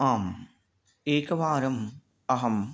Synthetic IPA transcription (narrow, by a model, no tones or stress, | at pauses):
aːm | eːkɐʋaːɾɐm | ɐɦɐm